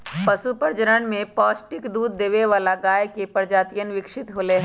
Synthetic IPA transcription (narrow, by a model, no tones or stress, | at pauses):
pɐsupəɾd͡ʒəɾəɳ̃mẽpɔːsʈɪkd̪uːd̪ːeːʋeʋaːlaɡaːjkepəɾd͡ʒaːt̪ijənʋɪkʃɪt̪ɦoːleɦɛ̃ː